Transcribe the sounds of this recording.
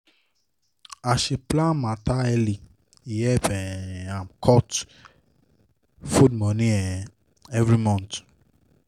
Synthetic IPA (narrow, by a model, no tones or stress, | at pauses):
aʃeplãmãtaɛli | ijɛpɛ̃ãmkʰɔt | fudmɔ̃nĩɛ | ɛvɾimɔ̃nt